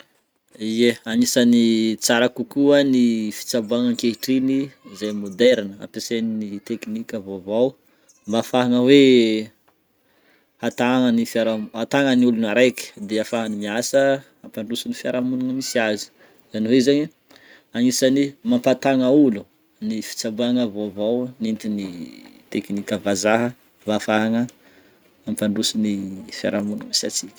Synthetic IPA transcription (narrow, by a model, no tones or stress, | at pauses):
ieanisanit͡saɾakukuanifi̥t͡sabuaŋaŋkeɦiʈ͡ʂinizajmod̪ɛɾnəa̰peseninit̪eknikʲavovaw | mbafaɦaŋəwe | hat̪aŋənifiaɾamat̪aŋəniulunaɾejki̥d̪eafaɦanimiasə | ampaɳɖ͡ʐusunifjaɾamunaŋəmisiazi̥ | zanowezaɲi | anisanimampat̪aŋaulu | nifi̥t͡sabaŋəvovawnint̪init̪ekinikʲəvazaɦə | mbafaɦaŋə | ampaɳɖ͡ʐusunifja̰ɾamunaŋisa̰t͡sikʲə̥